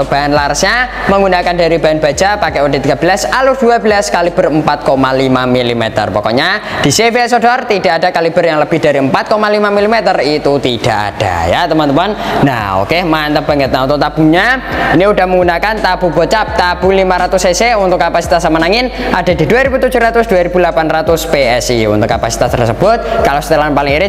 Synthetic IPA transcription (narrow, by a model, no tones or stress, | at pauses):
t̪b̥aanlaɾsɲaməŋɡunakandaɾib̥aanb̥ḁd͡ʒapakɛʔud̥a̤ht̪iɡ̥abəlasalud̥uabəlaskalib̥ərəmpat̪̚komalimamilimḛt̪ə̰rpɔkɔ̰ɲad̥i̤sefeɛsodɔrt̪id̥a̤ʔadakalib̥ərjaŋləb̥ɪhd̥aɾiəmpat̪̚komalimamilimet̪ərit̪ut̪id̥aʔa̰d̥a̰ja̰t̪əmɔnt̪əmɔnnaho̰kemaant̪əb̥a̤ŋət̪̚naunt̪ʊʔ̚t̪ab̥uɲainiudahməŋɡunakant̪ab̥ubɔt͡ʃap̚t̪ab̥ulimaɾat̪ʊseseunt̪ʊkːapasi̥t̪asamənaŋɪnad̥a̤d̪̥i̤duaɾibut̪ud͡ʒuɾat̪ʊsd̥uaɾib̥ulapanrat̪ʊspeɛsiunt̪ʊkːapasi̥t̪ast̪ərsəb̥ʊt̪̚kalost̪əlanpalɪŋiɾɪ